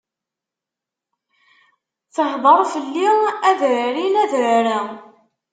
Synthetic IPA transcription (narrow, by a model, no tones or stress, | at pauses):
θəħðˤəɾˤfəlːiæðʕɾinæðʕɾæ